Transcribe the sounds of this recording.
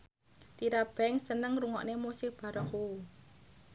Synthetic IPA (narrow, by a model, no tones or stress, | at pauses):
t̪iɾab̥ɛŋsənəŋruŋɔ̰ʔnemusɪk̚b̥a̤ɾɔhu